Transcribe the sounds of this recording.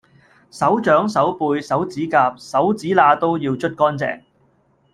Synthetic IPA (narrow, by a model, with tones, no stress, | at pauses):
sɐ˨˥wt͡ʃœː˨˥ŋsɐ˨˥wpuː˧jsɐ˨˥wt͡siː˨˥kaː˧p̚sɐ˨˥wt͡siː˨˥laː˧t̪o˥wjiː˧wt͡ʃʰɵ˥t̚kɔː˥nt͡sɛ̰ː˨˩ŋ